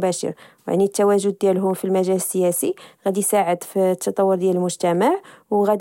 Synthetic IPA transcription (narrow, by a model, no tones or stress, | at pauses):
bæʃə̰ɾwj̰ʕnit̪ːæwæʒʊd̪̚ːjælɦʊmfilmæʒæləsːəjæsiɣæd̪isaʕəd̪fit̪ːɑt̪ˤɑwːəɾd̪jæləlmʊʒt̪æmaʕwɣæd̪